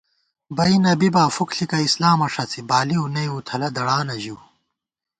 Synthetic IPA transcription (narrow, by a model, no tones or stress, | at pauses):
bɐinɐbibaːfukɬikɐislaːmɐʂɐt͡sʰibaːliunɐjut̪ʰɐlɐd̪ɐɽaːnɐʑiw